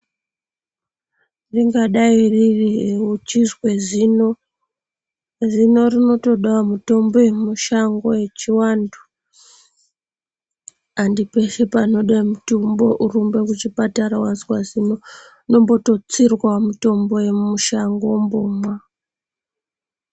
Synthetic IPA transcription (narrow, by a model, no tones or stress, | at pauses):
riŋɡaɗaiririut͡ʃizwezino | zino̞rino̞to̞ɗawamuto̞mbo̞je̞mmuʃaŋɡo̞je̞t͡ʃiwaːndu̥ | andipe̞ʃepano̞ɗamutumbo̞ʔurumbe̞kut͡ʃipataɾawanzkwazino | no̞mboto̞t͡sirwamuto̞mbo̞je̞muʃaŋɡomboːmwa